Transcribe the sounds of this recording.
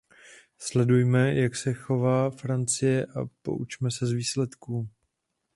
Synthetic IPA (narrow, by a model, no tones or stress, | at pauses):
slɛdujmɛjaksɛxo̞vaːfɾant͡sɪjɛʔa̰po̰ʔut͡ʃmɛsɛzviːslɛt̪kuː